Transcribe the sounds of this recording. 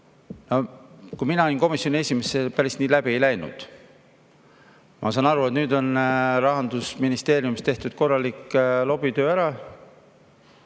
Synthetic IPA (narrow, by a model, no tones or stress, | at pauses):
no̞kujminɑoinko̞misjo̞nʲie̞sʲimesepæɾist̪niːlæbie̞jlæjnṵd̪̥ | mʔɑ̰sɑːnɑɾue̞t̪nyːd̪o̞nɾɑɦɑnd̪̥usminist̪e̞ːɾiumist̪e̞ht̪ud̪̥̚ko̞rːɑlikːlo̞b̥it̪ø̞ːæɾɑ